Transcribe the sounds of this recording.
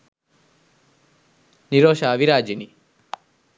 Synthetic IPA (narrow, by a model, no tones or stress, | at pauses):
niɾoʃaʋiɾad͡ʒini